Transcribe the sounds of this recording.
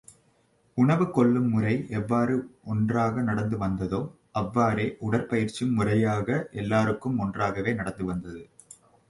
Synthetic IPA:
ʊɳɐʋɯkɔɭːɯmːʊrɐɪʔɛʋːaːɾɯɔndraːɣɐnɐɽɐnd̪ɯʋɐnd̪ɐðoː | ʔɐʋːaːɾeːʔʊɽɐɾpɐjɪɾt͡ʃɯmːʊrɐjaːɣɐʔɛlːaːɾɯkːɯmɔndraːɣɐʋeːnɐɽɐnd̪ɯʋɐnd̪ɐðɯ

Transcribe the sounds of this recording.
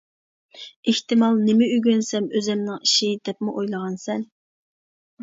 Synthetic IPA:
eht̪ɪmɑlˠnɪmɪyɡʲønsɛmøzɛmnɪŋiʃid̪̥ɛpmɪʔojlˠəʁɑnsɛn

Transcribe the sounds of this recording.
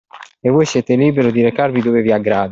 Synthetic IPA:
evojsjɛːt̪ɪliːbeɾʊd̪iɾekarvid̪oveviaɡɾaːd̪

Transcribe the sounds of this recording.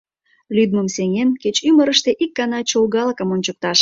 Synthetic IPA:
lyd̪̚məmseŋenket͡ɕyməɾəʃt̪eʔikːɑnɑt͡ɕolɣɑləkəmonʲt͡ɕək̚t̪ɑʃ

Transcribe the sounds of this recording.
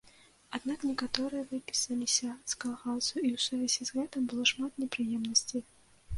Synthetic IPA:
ad̪naknʲɛkat̪ɔɾɨjɐvɨpʲi̥sɐlʲisʲɐskɐlˠɣat̪sɨjʊiwsuvʲɛzʲizɣɛt̪ɨmbɨlˠɔʂmat̪nʲɛpɾɨjɛmnɐsʲt͡sʲej

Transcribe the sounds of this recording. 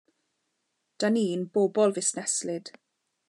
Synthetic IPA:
d̥aniːnb̥oːbɔlˠvɪsnɛslɪd̥

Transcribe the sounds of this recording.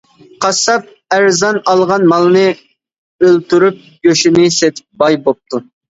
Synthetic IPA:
qʰɑsɑp̚ | æɾzɑnɑlˠʁɑnmɑlˠnɨ | ølt̪yɾyp̚ | jøʃinɪset̪ʰɪ̥p̚bɑjbop̚t̪ʰu

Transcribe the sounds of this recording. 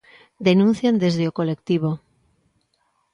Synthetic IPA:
d̪enũn̟θjand̪ezðeokolekt̪iβ̞o

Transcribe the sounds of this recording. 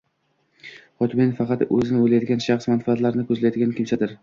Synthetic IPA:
χɒt̪ʰɪmenfɑqʰɑt̪ɵ̰zɪnɪojlajd̪ɪɡʲanʃɑχsmanfaːt̪laɾɪnɪkʰɵzlajd̪ɪɡʲankʲʰɪmt͡ʃʰad̪ɪɾ

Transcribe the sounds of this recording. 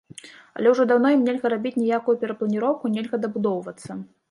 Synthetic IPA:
ɐ̰lʲɛwʐɔd̪awn̪ɔjimnʲelʲɣɐɾabʲit͡sʲnʲijakujupʲɛɾɐplˠɐnʲiɾɔwkunʲelʲɣɐd̪ɐbud̪ɔwvɐt̪sːɐ

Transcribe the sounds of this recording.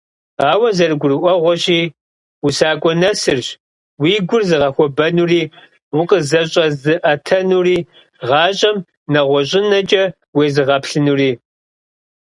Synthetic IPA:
aːwɐzɐrɨɡʷʊrɨʔʷɔʁʷɔɕiː | wusaːkʷʼɔnɐsɨrɕ | wiːɡʷʊrzɨʁɐxʷɔbɐnuːriː | wʊqəzɐɕʼɐzɨʔɐtʰɐnuːriː | ʁɑːɕʼɐm | nɐʁʷɔɕʼɪnɐt͡ʃʼɐ | weːzɨʁɐpɬɨnuːriː

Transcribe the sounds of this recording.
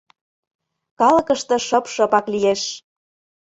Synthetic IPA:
kɑlə̆kə̆ʃt̪ɤ̆ʃɤ̆pʃɤ̆pɑklijeʃ

